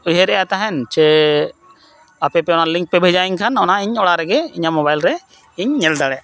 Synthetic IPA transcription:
ʊɦeɾɛjat̪aɦɛnt͡ʃɛ | apɛpɛɔnalɪŋk̚pɛbʱed͡ʒaiɲkʰanɔnaɪɲɔɽaɾɛɡɛɪɲamobajlɾɛ | ɪɲːɛld̪aɽɛ

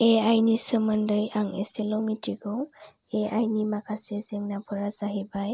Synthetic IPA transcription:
eajnisəməndəjaŋeselomitiɡɔw | eajnimakʰasezɛŋnabʰʱɔɾazaɦibaj

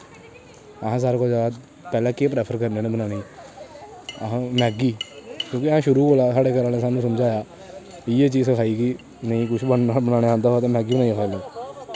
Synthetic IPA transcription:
əɦãːs̬aːɾkod͡ʒaːd̪ | pɛːlãːkeːpɾɛːpʰəɾkəɾneːnẽbənaːɽeː | əɦãːmɛːɡiːkjõːkɪəãːʃʊɾuːboːlaːsaːɽeːɡəɾãːneːsaːnũːsəmd͡ʒaːjaː | iːeːt͡ʃiːzəkʰaːiːki | nəĩːkʊʃʰbənnaːlbənaːɽ̃eãːnd̪aːɦaːt̪ẽːmɛːɡiːnãːĩːkʰaːiloː

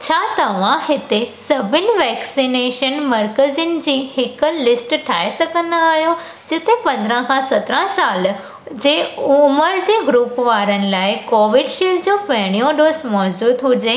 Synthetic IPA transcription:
t͡ɕʰaːt̪ɐʋ̤ãhɪt̪esɐbʱɪnɪ̆ʋɛːksineːʃənmɐɾkəzɪnɪ̆d͡ʑiːhɪkəlɪsʈʈʰaːesɐɡə̃nd̪aːɦijo | d͡ʑɪt̪epɐ̃nd̪əɾə̃kʰãsɐt̪ɾə̃saːl | d͡ʑeːʊməɾd͡ʑeːɡɾuːpʋaːɾənɪ̆laːɪkoːʋɪɖʃiːld͡ʑoːpɐɦɪɽ̃ijõɖoːsmɔːd͡ʑuːd̪ɦʊd͡ʑe

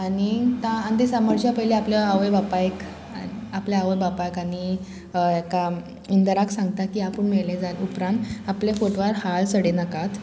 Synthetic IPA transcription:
anit̪ãːnt̪isaməɾt͡ɕjapəɦileapljəaʋəjbapajek | apljaaʋəjbapajkaɽi | aka | ind̪əɾaksãŋɡ̚t̪akiapəɳmeɭlẽd͡zanupɾãnt̪aplefoʈʋaɾhaɭsəɽenakat̪

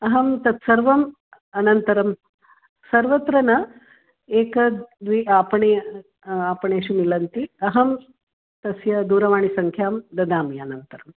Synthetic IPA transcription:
ɐɦɐmt̪ɐt̪sɐɾʋɐm | ɐnɐnt̪ɐɾɐm | sɐɾʋɐt̪ɾɐnɐ | eːkɐd̪ʋiaːpɐɳeː | aːpɐɳeːʃumilɐnt̪iɐɦɐm | t̪ɐsjɐd̪uːɾɐʋaːɳisɐŋkʰjaːmd̪ɐd̪aːmiɐnɐnt̪ɐɾɐm

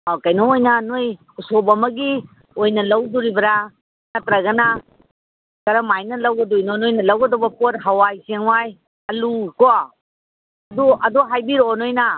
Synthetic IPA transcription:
akajnoojnɐnoj | usobɐmɐɡi | ojnɐlɐwduɾibɐɾa | nɐtɾɐɡɐna | kɐɾɐmajnɐlɐwɡɐdujnonojnɐlɐwɡɐdɔbɐpot̚ɦawajseŋwaj | ɐlukɔ | ɐduʔɐduɦajbiɾɔnojna

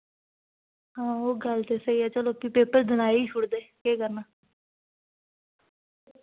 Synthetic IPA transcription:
ɦãːoːɡəlt̪eːsəiːɛːt͡ʃəloːkɪpeːpəɾd̪ənaːeiːt͡ʃʰʊɽd̪eːkeːkəɾnaː

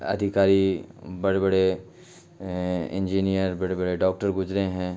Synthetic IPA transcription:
ɐ̰d̪ʱɪkaːɾibɐɽebɐɽe | ɪ̰̃nd͡ʒiːnijəɾbɐɽebɐɽeɖɔːk̚ʈəɾɡʊd͡ʒɾeɦɛ̃ː

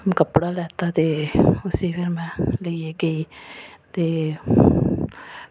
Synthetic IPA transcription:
mkəpɽaːlɛːt̪at̪eʊsiʋeɾmɛ̃ːləieɡəiːt̪eː

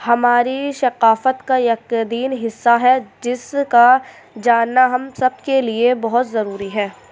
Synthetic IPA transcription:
hɐmaːɾiʃɐqaːfət̪kajɐkd̪iːnɦɪsːaɦɛd͡ʒɪska | d͡ʒaːnːaɦɐmsɐb̚keliebɐɦʊt̪zɐɾuːɾiɦɛː

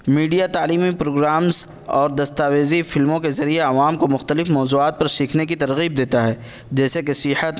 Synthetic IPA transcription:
miːɖijat̪aːliːmipɾoːɡɾaːmz | ɔːɾd̪ɐst̪aːʋeːzifɪlmõkezɐɾieɐʋaːmkomʊxt̪əlɪfmɔːzuːaːt̪̚pɐɾʃiːkʰnekit̪ɐɾɣiːb̚d̪eːt̪aɦɛː | d͡ʒɛːsekesihət̪

